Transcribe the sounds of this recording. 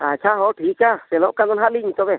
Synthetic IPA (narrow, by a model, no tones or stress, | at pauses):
at͡ʃʰaɦɔʈʰikasɛlɔ̃ʔkãd̪ɔnɦaliɲit̪ɔbɛ